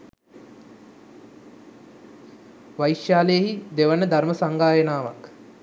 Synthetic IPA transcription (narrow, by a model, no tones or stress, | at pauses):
ʋajʃjaːlejəɦid̪eʋənəd̪ʱarməsaŋɡaːjənaːʋa̰k